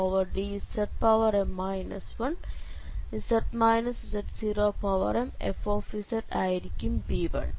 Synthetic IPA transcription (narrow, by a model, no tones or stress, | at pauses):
oʋɐɾɖiːsɐʈ̚pɐʋɐɾemːajnɐsʋɐn | isɐʈmajnɐsisɐʈsiɾoːpɐʋɐ̰ɾɐmḛfoːfisɐʈaːjɾikːimbiːʋɐ̰ɭ